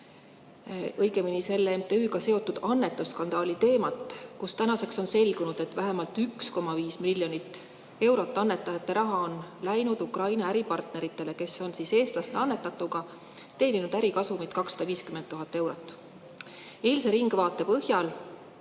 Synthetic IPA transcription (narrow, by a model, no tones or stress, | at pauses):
ɤjɡ̥e̞minise̞lːeemt̪e̞yːɡɑse̞o̞t̪ːˑud̪̥ɑnːe̞t̪ːˑusːkɑnd̪̥ɑːlit̪e̞ːmɑt̪ːˑkust̪ænɑse̞kso̞nse̞lɡ̥unud̪̥e̞t̪ːvæɦemɑlt̪yksko̞mɑviːsmilʲːjo̞nit̪ːˑ | e̞wɾo̞t̪ˑːɑnːe̞t̪ːˑɑjɑt̪ːˑe̞ɾʔɑɦɑo̞nlæjnud̪̥ukrɑjnɑæɾipɑrt̪ne̞ɾit̪ːˑe̞le̞ke̞so̞nsise̞ːst̪lɑst̪eɑnːe̞t̪ːˑɑt̪ːˑuɡ̥ɑ | t̪e̞ːninud̪̥æɾikɑsumit̪̚kɑksːɑ̥d̪ɑviːskymend̪ːuɦɑt̪ːˑe̞wɾo̞t̪ːˑ | e̞ːlse̞ɾiŋɡ̥vɑːt̪ˑːe̞pɤɦjɑl